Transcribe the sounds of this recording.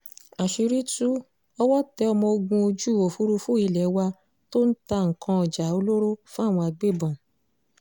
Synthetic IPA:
a˨ʃi˧ɾi˦tu˦ | ɔ˧wɔ˦tɛ˦ɔ˧mɔ̃˧o˧ɡũ˧o˧d͡ʒu˦˨o˨fu˦ɾu˧fũ˦i˧lɛ˨˦wa˧ | to˦n̩˦ta˧ŋ̩˨kã˧ɔ˨d͡ʒa˨˦o˧lo˦ɾo˦fũ˦a˦˨w̃ɔ̃˧a˧ɡ͡be˦˨bɔ̃˨

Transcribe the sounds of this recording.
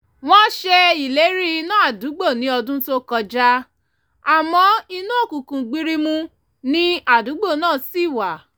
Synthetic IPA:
w̃ɔ̃˦ʃe˧i˨le˨˦ɾi˦˧nãː˦a˨du˨˦ɡ͡bo˦˨nĩ˨˦ɔ˧dũ˦to˦kɔ˧d͡ʒa˦ | a˨mɔ̃˨˧˦i˧nũ˦o˦˨kũ˨kũ˨ɡ͡bi˦ɾi˦mũ˦ | nĩ˦a˦˨du˨˦ɡ͡bo˦˨nãː˦˨si˦˨wa˨

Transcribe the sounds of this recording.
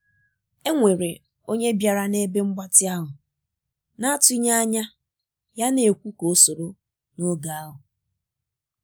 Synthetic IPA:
e˦ŋʷe˨ɾe˨ | o˦ɲe˦bja˨ɾa˦ne˦be˦ŋ͡m̩˦ɡ͡ba˦tɪ˦a˦ɦʊ˨ | na˦a˦tʊ˦i˦ɲa˦ɲa˦ | ja˦ne˨e˨kʷu˦ko˨o˦so˨ɾo˦ | no˦ɡa˨a˦ɦʊ˨

